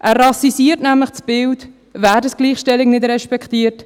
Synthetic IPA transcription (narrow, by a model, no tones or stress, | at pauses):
ʔæːrːɑsisiətnæmləχsb̥ɪlt | væːdəsɡ̥liːχʃtɛlɪɡnɪdɾɛʃpɛkχtiːəɾt